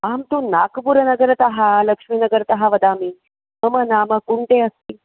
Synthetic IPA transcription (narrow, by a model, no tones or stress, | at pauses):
amt̪unakpuɾənəɡəɾt̪əɦaləkʂminəɡəɾt̪əɦaʋəd̪ami | məmənaməkuɳʈ̪eəst̪iː